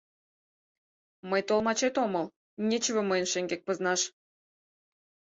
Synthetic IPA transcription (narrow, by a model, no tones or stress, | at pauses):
məjt̪olˠmɑt͡ɕet̪oməlˠ | nʲet͡ɕevoməjənʃeŋɡek̚pə̆znɑʃ